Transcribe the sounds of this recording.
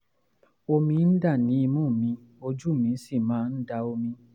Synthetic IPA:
o˧mĩ˧˦n̩˦da˦˨nĩ˨˦i˧mũ˦˨mĩ˧ | o˦˧d͡ʒu˦˨mĩ˨˦si˦˨mãː˨˦n̩˦da˧o˧mĩ˧

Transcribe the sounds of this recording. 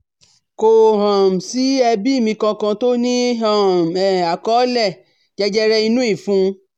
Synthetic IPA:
ko˨ɦã˨m̩˨si˨˦ɛ˧bi˦i˦˨mĩ˧kã˧kã˧to˦nĩ˦ɦã˦˨m̩˨ɛ˨a˨kɔ˨˦lɛ˦˨ | d͡ʒɛ˧d͡ʒɛ˦ɾɛ˧i˧nũ˦i˦˨fũ˦

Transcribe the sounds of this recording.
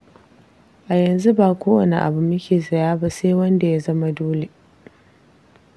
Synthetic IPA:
ʔa˨jɐ˨nzu˦baː˨kʷoː˦wɐ˨ne˨ʔa̰˨bʊ˦˨mɐ˦kʲeː˨zɐ˨jaː˦ba˦seː˦wɐ˦nda˨ja˦zɐ˦ma˦doː˦le˨

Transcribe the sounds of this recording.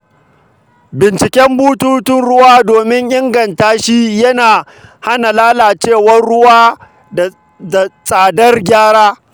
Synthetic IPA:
bɪ˨nt͡ʃɪ˨kʲɛ˦mbuː˦tuː˦tʊ˦nɽʊ˦waː˦doː˨mɪ˦ŋʔɪ˦ŋɡɐ˨ntaː˦ʃi˦jɐ˦naː˨ | ha˦na˨laː˦laː˨t͡ʃeː˦˨wɐ˦rɽʊ˦waː˦˨ | da˨sʼaː˨dɐ˦rɡʲaː˦ɽaː˦

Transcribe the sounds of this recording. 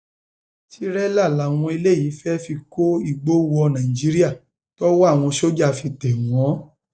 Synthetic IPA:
ti˦ɾɛ˦la˦˨la˨˦˨w̃ɔ̃˧i˧le˦˨jiː˨˦fɛ˦fi˧ko˦i˦˨ɡ͡bo˦wɔ˧nã˨ĩ˨d͡ʒi˨˦ɾi˦a˦˨ | tɔ˦wɔ˦a˦˨w̃ɔ̃˧ʃo˦d͡ʒa˦˨fi˧tɛ˨wɔ̃˨˦

